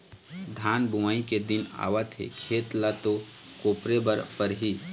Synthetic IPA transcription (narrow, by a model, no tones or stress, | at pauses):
d̪ʱaːnbumaːiked̪ɪna̰ːʋat̪ɦḛkʰeːt̪lat̪okoːpɾebəɾpəɾɦi